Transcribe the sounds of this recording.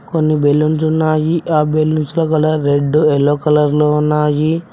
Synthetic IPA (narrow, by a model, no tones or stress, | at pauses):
konːibelːunt͡ʃunːaːjiʔaːbelːunsulɐkɐlɐɾeɖːuelːoːkɐlɐɾloːnaːji